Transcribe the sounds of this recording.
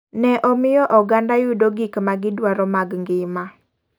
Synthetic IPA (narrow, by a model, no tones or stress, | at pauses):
nɛʔɔmɪjɔʔɔɡandajʊdoɡɪkmaɡɪdwaɾɔmaɡŋɡɪma